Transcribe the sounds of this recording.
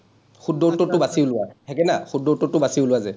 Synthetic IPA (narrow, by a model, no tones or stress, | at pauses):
xudɔtːɔtːʊbasiʊlʊwahɛkɛnaxudːɔtːɔtʊbasiulʊwazɛ